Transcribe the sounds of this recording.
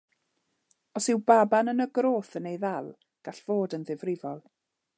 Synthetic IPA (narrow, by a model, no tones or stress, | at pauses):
ɔsɪwbabanənəɡroːθənejðɛlˠ | ɡ̥aɬv̥oːdənðɪvrɪvɔlˠ